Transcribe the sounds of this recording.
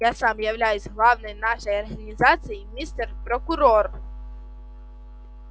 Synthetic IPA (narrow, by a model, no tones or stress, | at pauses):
asamjawlʲajusʲɣlˠawnɔjnaʂɐjɐrɣɐnʲizat̪sɨjimʲːist̪ɛrpɾɐkʊɾɔr